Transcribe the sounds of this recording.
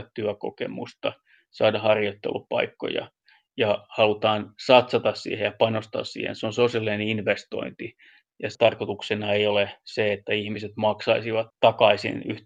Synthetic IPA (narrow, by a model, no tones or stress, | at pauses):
tt̪yæko̰kḛmṵst̪ɑ | sɑːdɑhɑrjot̪ːḛlːuppɑ̰ikːo̰jɑ̰ | jɑhɑlut̪ɑːnsɑt̪sɑt̪ɑssḭːhejɑpɑnost̪ɑ̰ːssḭːhḛnseonsoselineninʋest̪o̰int̪i | jɑt̪ɑrkot̪uksenɑejoleseet̪ːæihmiset̪mɑksɑisiʋɑt̪ːɑkɑisḭny̰h